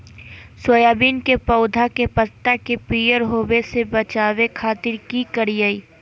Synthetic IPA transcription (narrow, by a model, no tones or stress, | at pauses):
swɐjaːbiːnkepɐʊd̪ʱakepɐt̪ːakepijəɾɦoːwesebɐt͡ʃaːʋekʰaːt̪ɪɾkikɐɾijaiː